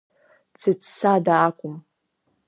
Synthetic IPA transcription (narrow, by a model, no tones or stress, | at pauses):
t͡sʰɨt͡sʰsadaːkʷʼʊm